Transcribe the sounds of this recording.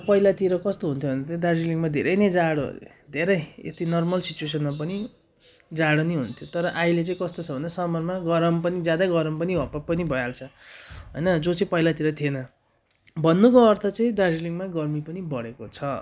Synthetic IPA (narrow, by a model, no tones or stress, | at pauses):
pʌijlat̪iɾʌkʌst̪oɦunt̪ʰjobʱʌnd̪at̪ĩd̪ad͡ziliŋmad̪ʱḛɾʌjned͡zaɽo̰ | d̪ʱeɾʌjḛt̪inʌrmʌlsit͡sues̬ʌnmapʌni | d͡zaɽoniɦunt̪ʰjot̪ʌɾʌʔailet͡sʌĩkʌst̪ot͡sʰʌbʱʌnd̪ʌsʌmʌrmaɡʌɾʌmpʌnid͡zjad̪aɡʌɾʌmpʌniɦʌpapʌnibʱʌjalt͡sʰʌɦʌ̰jnʌd͡zot͡saĩpʌjlat̪iɾʌt̪ʰienʌ | bʱʌnːukoʌrt̪ʰʌt͡sʌĩd̪ad͡ziliŋmaɡʌrmipʌnibʌɽekot͡sʰʌ